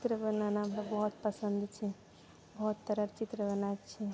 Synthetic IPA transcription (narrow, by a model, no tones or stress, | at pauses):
t͡ʃt̪ɾəbənanampəbɔɦut̪̚pəsənd̪t͡ʃʰɛ | bɔɦut̪ːəɾəɾt͡ʃit̪ɾəbənajt̪t͡ʃʰɛ